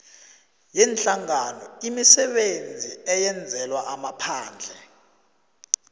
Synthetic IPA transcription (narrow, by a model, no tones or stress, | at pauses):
jɛnt͡ɬaŋanɔimisɛɓend͡zʱiɛjɛnd͡zʱɛlwaʔamapʰaːnd͡ɮʱɛ